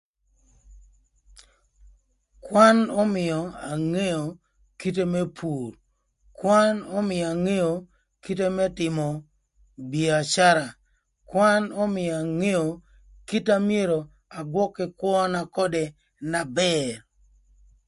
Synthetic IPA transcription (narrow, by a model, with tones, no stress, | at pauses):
kwa˦nɔ˦mɪ˨jɔ˨a˨ŋe˦jo˨ | ki˦te˦mɛ˦pʰu˨ɾ | kwa˦nɔ˦mɪ˨ja˨ŋe˦jo˨ | ki˦te˦mɛ˦tɪ˨mɔ˨ | bi˨a˨t͡ʃa˦ɾa˨ | kwa˦nɔ˦mɪ˨jɔ˨a˨ŋe˦jo˨ | ki˦ta˦mi˦e˦ɾo˨ | a˨ɡwɔ˦kɪ˦kwɔ˦na˨kɔ˦de˨ | na˨bɛ˦r